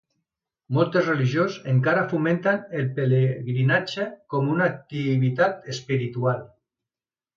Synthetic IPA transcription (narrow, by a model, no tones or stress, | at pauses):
mɔlˠt̪əzreliʒjozeŋkaɾafument̪anelpeleɣɾinad͡ʒekɔmunak̚t̪iβit̪at̪espiɾit̪ual